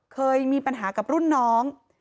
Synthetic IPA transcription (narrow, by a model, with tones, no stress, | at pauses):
kʰɤː˧jmiː˧pa˧nɦaː˩˦ka˨˩p̚ɾu˥˩nːɔː˦˥ŋ